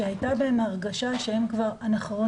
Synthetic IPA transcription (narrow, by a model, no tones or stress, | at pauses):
ehajtabaemaʁɡaʃaʃe̞hemkvaʁanaχaʁo